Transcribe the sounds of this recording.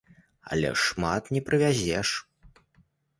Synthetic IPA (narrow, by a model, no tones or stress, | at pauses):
ɐ̰lʲɛ̰ʂmat̪nʲɛpɾɨvʲazʲɛʂ